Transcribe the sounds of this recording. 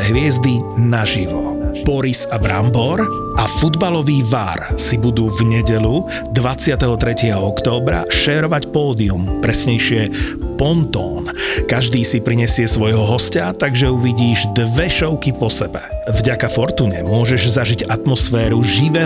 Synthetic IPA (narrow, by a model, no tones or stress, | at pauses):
ɦʋɪɛzd̪inaʒiʋɔ | pɔɾisabɾa̰mbɔɾ | ʔafud̪balɔʋiːʋa̰ɾsibud̪uːvɲɛɟɛʎu | d̪ʋat͡sɪat̪ɛɦɔt̪ɾɛcɪɛɦɔɔkt̪ɔːbɾa̰ʃɛːɾɔʋacpɔːd̪iumpɾɛsɲɛjʃɪɛpɔnt̪ɔːnkaʒd̪iːsipɾiɲɛsɪɛsʋɔjɦɔɦɔscat̪aɡʒɛuʋiɟiːʒd̪ʋɛʃɔʊkipɔsɛbɛvɟakafɔɾt̪uːɲɛ̰mʊɔʒɛʒzaʒiɟat̪mɔsfɛːɾuʒiʋɛː